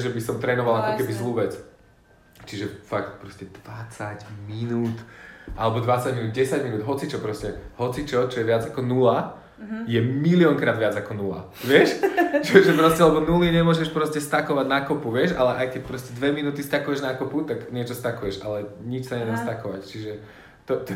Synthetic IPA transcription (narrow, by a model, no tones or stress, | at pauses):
ʒɛbisɔmt̪ɾɛːnɔʋalakɔkɛbizluːʋɛt͡s | t͡ʃiʒɛfakt̪̚pɾɔscɛd̪̥ʋat͡saɟminuːt̪ʔalɛbɔd̪ʋat͡saɟminud̪̚ɟɛsaɟminuːd̪ɦɔt͡sit͡ʃɔpɾɔscɛɦɔt͡sit͡ʃɔt͡ʃɔjɛʋɪad͡zakɔnula | jɛmiliɔŋkɾaːd̪ʋɪad͡zakɔnula̰ | ʋɪɛʃʒɛʒɛpɾɔscɛlɛbɔnuliɲɛmʊɔʒɛʃpɾɔscɛst̪akɔʋaɟnakɔpuʋɪɛʃalɛʔajkɛc̚pɾɔscɛd̪ʋɛminuːt̪ist̪akujɛʒnakɔput̪aɡɲɪɛt͡ʃɔst̪akujɛʃalɛɲit͡ʃsaɲɛd̪ɛmst̪akɔʋact͡ʃiʒɛ | t̪ɔt̪